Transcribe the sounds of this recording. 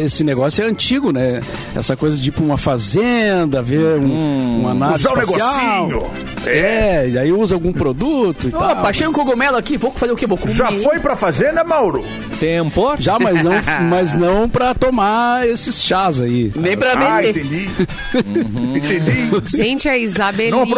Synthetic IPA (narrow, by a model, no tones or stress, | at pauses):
esɪneɡɔsjʊɛɐ̃nt͡ʃiɡʊnɛ | ɛ̰sɐkojzɐt͡ʃipʊũmɐfazẽnd̪ɐveɾũũanauzaw̃nesɡoisaiwɲʊ | ɛɛɪd̪aiuzɐawɡũpɾod̪ut̪ʊit̪ãbaʃejũkoɡomɛlʊakivokfazeʊkevokũʒaffojpɾɐfazẽnd̪ɐmawɾʊ | t̪ẽpoɾʒamɐznɐ̃w̃mɐznɐ̃w̃pɾɐt̪omaesɪsʃazainẽj̃pɾɐvẽndẽd̪et̪ẽd͡ʒi | ẽt̪ẽd͡ʒiʒẽnt͡ʃɪaizabeɐ̃w̃